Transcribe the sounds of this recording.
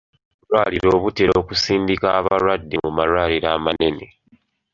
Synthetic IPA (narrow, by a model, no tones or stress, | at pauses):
ulwaːliɾo̞ːβuteɾoːkusiːndikaːβaɾwadːimumaɾwaːliɾaːmane̞ne